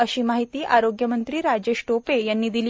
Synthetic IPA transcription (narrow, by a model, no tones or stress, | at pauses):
əɕiːmaɦit̪iːʔaɾoɡjəmənt̪ɾiːɾad͡ʑeɕʈopejanːiːd̪ilː